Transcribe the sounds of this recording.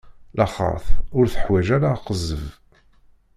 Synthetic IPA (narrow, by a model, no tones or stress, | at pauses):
lʔɑχə̰ɾθʊɾθə̥ħwæʒæɾaqəzəv